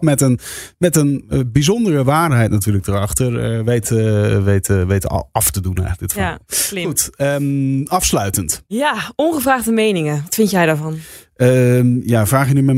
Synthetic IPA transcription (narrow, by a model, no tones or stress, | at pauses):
mɛtənmɛtənbizondərəʋaːɹdɦɛjtnatyːləɡ̚dərɑχtəɹəʋejtʋejtəʋejtə̰ɑftədunɛ̰jɣləɡ̚dɪtfautəɑfslœɥtəntjaɔnχəvraːχdəmejnɪŋəʋɑtfɪntjɛjdaːvɑn | əjavraːχjənymɛ